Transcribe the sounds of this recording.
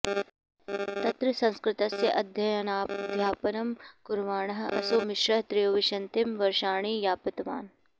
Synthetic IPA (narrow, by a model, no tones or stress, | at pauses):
t̪ɐt̪ɾɐsɐ̃nskɾɪt̪ɐsjɐʔɐd̪ʱjɐjɐnaːd̪ʱjaːpɐnɐmkuɾʋaːɳɐɦɐʔɐ̰soːmɪʃɾɐɦɐt̪ɾijoːʋiʃɐnt̪imʋɐɾʃaːɳ̃iːjaːpɐt̪ʋa̰ːn